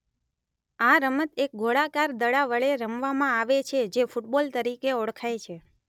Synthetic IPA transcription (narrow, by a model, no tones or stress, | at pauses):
aɾəmət̪ek̚ɡʱoɭakaɾd̪əɽaʋəɭeɾəmʋamãaʋet͡ʃʰed͡ʒefuʈbolt̪əɾikeɔɽkʰajt͡ʃʰe